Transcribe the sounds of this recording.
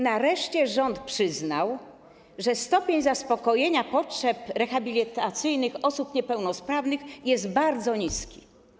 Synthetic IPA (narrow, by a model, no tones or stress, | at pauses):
naɾɛʂt͡ɕɛʐɔnt̪pʂɘznaw | ʐɛst̪ɔpʲjeɲzaspɔkɔjeɲapɔtʂɛpɾɛxabʲilʲit̪at̪sɘjnɘxɔsupɲɛpɛwnɔspɾavnɘxjɛzd̪baɾd̪zɔɲiskʲi